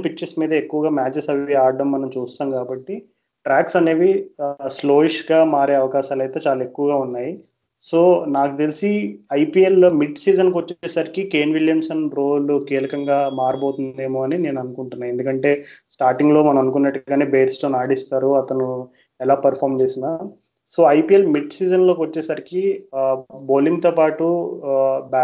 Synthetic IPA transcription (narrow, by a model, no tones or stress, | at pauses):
pikːt͡ʃismiːd̪ɐekːuʋɐɡaːmaːd͡ʒɐsɐʋiaːɖɐmːɐnɐmt͡ʃuːst̪aːmkaːbɐʈːi | ʈɾaːksɐne̞ːʋislo̞ːiʃɡaːmaːɾeːɐʋɐkaːʃaːlɐjt̪eːt͡ʃaːlaekːuʋɐɡaːunːaːji | so̞ːnaːkut̪elisiɐjpiːelmiɖsiːd͡ʒɐnkiʋot͡ʃːɛːsaːɾikike̞ːnʋiljɐmsɐnbɾo̞ːlukiːlɐkɐŋɡaːmaːɾɐbo̞ːt̪und̪e̞ːmoːɐnine̞ːnɐnukuɳʈunːaːje̞nd̪ukɐɳʈe̞ːsʈaːɾʈiŋɡlo̞ːmɐnɐmɐnukunːɐʈːɡaːneːbeːʈsʈoːnaːɽist̪aːɾuɐt̪ɐnu | ɛlaːpɐɾpʰaːɾmd͡ʒeːsinaː | so̞ːɐjpiːelmiɖsiːd͡ʒɐnlo̞ːkʋɐt͡ʃːɛːsɐɾiki | boːlimt̪o̞ːpaːʈu | baː